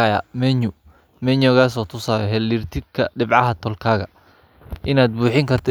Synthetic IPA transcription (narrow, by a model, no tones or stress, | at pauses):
ajɐ̰mɛɲʊ | mɛɲɔɣaːsɔːt̪ʰʊsaːɾɛɦɛlːirt̪ʰɪɡkʰɐɖɪbʕɑɦɐt̪ʰɔlkʰaːɣɐ | ʔɪnaːd̪̚buːħɪŋkʰɐrt̪ʰɔ